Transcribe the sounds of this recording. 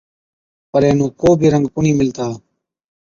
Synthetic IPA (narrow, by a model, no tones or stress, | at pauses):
pəɾeːnũːkoːbʱiːɾəŋɡpʊɳiːmɪlt̪aː